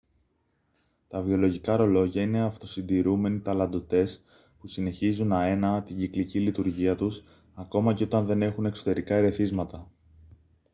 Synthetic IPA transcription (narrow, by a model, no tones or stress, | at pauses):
t̪ɐvio̞lo̞ʝikɐɾo̞lo̞ʝɐine̞ɐft̪o̞sind̪iɾume̞nit̪ɐlɐnd̪o̞t̪e̞s | pusine̞çizunɐe̞nɐt̪iɲɟiklicilit̪uɾʝiɐt̪us | ɐko̞mɐceo̞t̪ɐnðe̞ne̞xune̞kso̞t̪e̞ɾikɐeɾe̞θizmɐt̪ɐ